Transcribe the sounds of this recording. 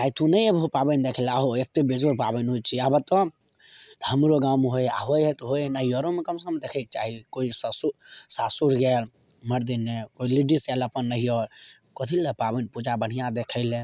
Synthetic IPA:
d͡ʒajt̪ʰunəjəbɦopabənd̪ekʰəlaɦoet̪ːebed͡ʒoɾpabənɦot͡ʃʰiabət̪ɔ | t̪ɦəmɾoɡamɦoja̰ɦojɦɛt̪ɦojnəɦiɔɾomekəmsəmd̪ekʰɛk̚t͡ʃa̰ɦikoissusasuɾɡɛl | məɾd̪inːekoiliɖisɛləpənːəɦijɔɾ | kɔt̪ʰilepabənpud͡ʒabəɽ̤ijãd̪ekʰəɪle

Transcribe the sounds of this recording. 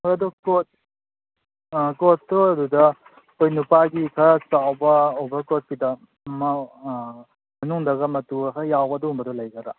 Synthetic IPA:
mojɐdɔkot̚ | kotːoɐdudɐ | kojnupaɡikʰɐt͡ʃawbɐobɐkot̚kidɐ | mɐ | mɐnuŋdɐɡɐmɐtukʰɐjawbɐdɔɦumbɐdɔlɐjɡɐɾa

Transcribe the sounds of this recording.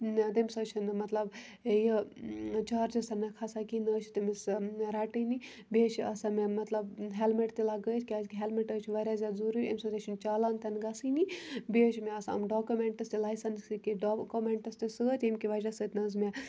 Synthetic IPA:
t̪imʲsət͡ʃʰinɨmɐt̪lɐb | jə | t͡ʃaːɾd͡ʒɐst̪ɐnɐkʰasakinəːt͡ʃʰit̪imisɾaːʈɨni | beːt͡ʃʰiɐsamemɐt̪lɐbɦelmeʈt̪ilaɡət̪ʰʲkʲiaːt̪kʲiɦelmeʈət͡ʃʰiʋɐɾʲazʲad̪zuɾuemʲsɐt̪ʲet͡ʃʰint͡ʃaːlaːnt̪ɐnɡɐsɨnibeːt͡ʃʰimeɐsɐ̰mɖoːkumeɳʈɐst̪ilajsɐnsikiɖokomeɳʈɐst̪isəːt̪ʲemkiʋɐɾʲasəːt̪ʲnɐzmʲe

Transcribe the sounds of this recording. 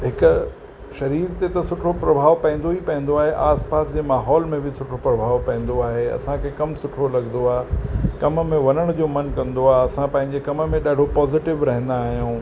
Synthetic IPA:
ɦɪkʊ | ʃɐɾiːɾt̪et̪ɐsʊʈʰopɾɐbʱaːʋpɐ̃ɪ̃nd̪oipɐ̃ɦɪ̃nd̪oaːɦeʔaːspaːsd͡ʑeːmaːɦɔːlmẽbʱɪsʊʈʰopɾɐbʱaːʋpɐ̃ɦɪ̃n̆d̪oaːɦeɐ̰sãkʰeːkɐmsʊʈʰolɐɠnd̪oaːɦkɐmmẽʋɐnəɽ̃d͡ʑoːmɐnkɐ̃nd̪oaːɦɐsãpɐ̃ɦɪ̃ɲd͡ʑekɐmmẽɗaːɽ̤opɔːzɪʈɪʋɾɐɦə̃n̆d̪aːɦijũː

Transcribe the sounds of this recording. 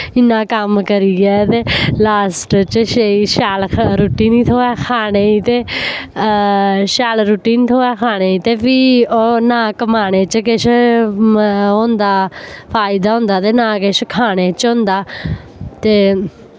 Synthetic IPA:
ɪnːãːkəmkəɾiːɡɛːt̪eːlaːsʈt͡ʃəʃeiʃaːlɾuːʈiːniːt̪ʰoːɛːkʰaːneːiːt̪eː | ʃaːlɾuːʈiːnt̪ʰoːɛːkʰaːɽ̃eːiːt̪eːpiːonãːkəmaːñeːt͡ʃkɪʃ | õːnd̪aːpʰaːɪd̪aːɦʊ̃ːnd̪aːt̪eːnãːkɪʃkʰaːɽ̃eːt͡ʃõːnd̪aː | t̪eː

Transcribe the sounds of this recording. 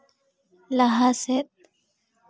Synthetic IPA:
laɦaset̪̚

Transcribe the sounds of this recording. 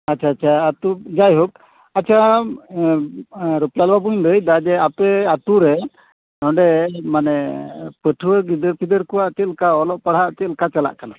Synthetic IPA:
at͡ʃʰaːt͡ʃʰaat̪ud͡ʒajɦɔk̚ | at͡ʃʰa | ɾuplalbabuɲd̪əjd̪ad͡ʒɛapɛat̪uɾɛ | aɔ̃ɳɖɛmanɛpəʈʰuəɡid̪əɾpʰid̪əɾkɔwaʔt͡ʃɛlkaɔlɔʔpaɽ̤ɦaʔt̪ɛlkat͡ʃala̰ʔkala

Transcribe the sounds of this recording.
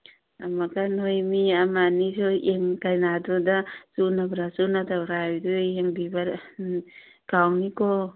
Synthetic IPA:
amaɡanojmiamanisueŋkajnadɔdasunabɾasunatawɾadueŋbibaɾ | kawnikɔ

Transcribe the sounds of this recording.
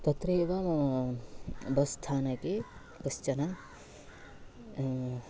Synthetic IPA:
t̪ɐt̪ɾeːʋɐm | bɐst̪ʰaːnɐke | kɐst͡ʃɐna

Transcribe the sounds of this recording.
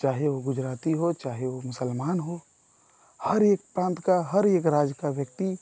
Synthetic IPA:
t͡ʃaːɦeʋoɡʊd͡ʒɾaːt̪iɦot͡ʃaːɦeʋomʊsəlmaːnɦo | həɾeːk̚pɾãːnt̪kaɦəɾeːkɾaːd͡ʒkaʋjəkt̪i

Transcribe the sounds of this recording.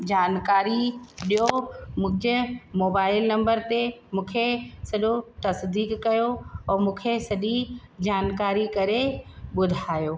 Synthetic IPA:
d͡ʑaːnkaːɾiɗijomʊ̃d͡ʑəmoːbaːɪlnɐ̃mbəɾt̪emũːkʰesɐʄot̪ɐsd̪iːkːɐjoɔːɾmũːkʰesɐʄi | d͡ʑaːnkaːɾikɐɾeɓʊd̪ʱaːjoː

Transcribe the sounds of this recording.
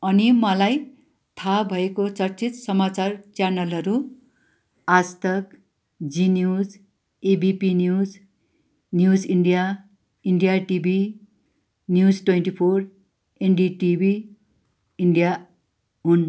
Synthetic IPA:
ʌnimʌlaj | t̪ʰabʱʌekot͡sʌrt͡sit̪sʌmat͡sart͡sjanʌlɦʌɾu | ast̪ʌk | d͡zinjud͡z | ebipinjud͡z | njud͡ziɳɖija | iɳɖijaʈibʱi | njud͡zʈwenʈipʰor | enɖiʈibʱi | iɳɖija | ɦun

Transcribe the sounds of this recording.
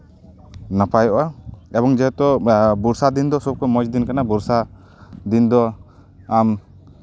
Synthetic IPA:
napajɔʔaɛbɔŋd͡ʒɛɦɛt̪ɔbuɾsad̪ind̪ɔsɔb̚kʰɔmɔd͡ʒd̪inkanabuɾsa | d̪ind̪ɔ | am

